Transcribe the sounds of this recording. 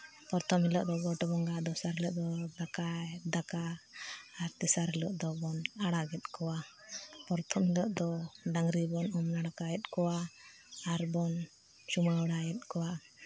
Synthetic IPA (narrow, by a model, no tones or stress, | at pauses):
pɔɾt̪ʰɔmilɔʔd̪ɔɡɔʈɔbɔŋɡad̪ɔsaɾɛlɔʔd̪ɔd̪akad̪akaː | ɾt̪ɛsaɾɛlɔʔd̪ɔbɔnaɽaɡɛt̪̚ˀkɔwa | pɔɾt̪ʰɔmhilɔʔd̪ɔɖaŋɾibɔnɔmnaɽakaɛt̪̚kɔwaː | ɾbɔn | t͡ʃumaɔɽajɛt̪̚ˀkɔwa